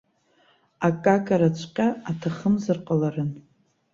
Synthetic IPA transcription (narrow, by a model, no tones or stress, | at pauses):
akʼakʼaɾat͡ɕʷʰqʲʼaːtʰaχəmzɨrqʼalarɨn